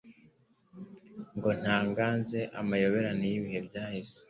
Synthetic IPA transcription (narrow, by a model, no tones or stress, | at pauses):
ŋɡo̞n̥haːŋɡaːnzeʔamajo̞βeɾanijiβihe̞bɟaːhize̥